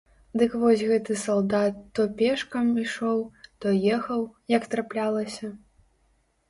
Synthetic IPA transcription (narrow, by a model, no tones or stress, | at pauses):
d̪ɨkvɔsʲɣɛt̪ɨsalˠd̪at̪ːɔpʲɛʂkɐmiʂɔwt̪ɔjɛxɐwjɐkt̪ɾaplʲalˠɐsʲɐ